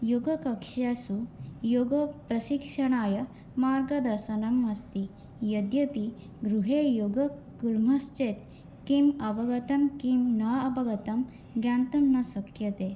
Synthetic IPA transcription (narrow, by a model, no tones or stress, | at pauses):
joːɡɐkɐkʂjaːsujoːɡɐpɾɐʃikʂɐɳaːjɐ | maːɾɡɐd̪ɐsɐnɐmɐst̪i | jɐd̪jɐpi | ɡɾuɦeːjoːɡɐ | ɡuɾm̤ʱɐst͡ʃet̪̚ | kimɐbɐɡɐt̪ɐmkimnɐɐbɐɡɐt̪ɐm | ɡjaːnt̪ɐmnɐsɐkʰjɐt̪eː